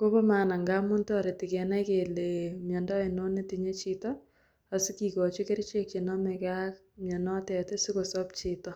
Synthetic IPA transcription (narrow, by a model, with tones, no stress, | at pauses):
ko˦pɔ˦ma˨na˨ŋɡamʊ˦ntɔ˦ɾe˨ti˨kɛ˨nɛ˦kelemjɛ˨ndɔ˦i˨no˦ne˦tiɲe˦t͡ʃitɔ | a˨si˦kikɔ˨t͡ʃi˦ke˦ɾt͡ʃe˦k̚t͡ʃe˨nɔ˦mɛkak̚ | mjɛ˨nɔ˦tɛ˨te˦si˦kosɔp̚t͡ʃitɔ˦